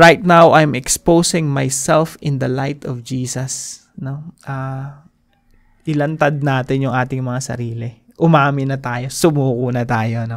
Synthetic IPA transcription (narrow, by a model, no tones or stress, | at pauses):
ɹajt̪̚nawʔajmɛkspowsɪŋmajsɛlfɪ̃nd̪ɐlajt̪ɔfd͡ʒiːsɐs | no̞ʔa | ʔɪlɐnt̪ɐd̪̚naːt̪ɪnjʊŋʔaːt̪ɪŋmɐŋasɐ̰ɾiːlɪ | ʔʊmaːmɪnɐt̪aːjo̞sʊmuːkʊnɐt̪aːjo̞no